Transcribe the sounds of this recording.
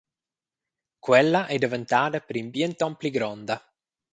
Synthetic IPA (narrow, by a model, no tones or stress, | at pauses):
kwɛlːaʔɛd̪event̪aːd̪apeɾimbiɛnt̪ɔmpliɡɾɔnd̪a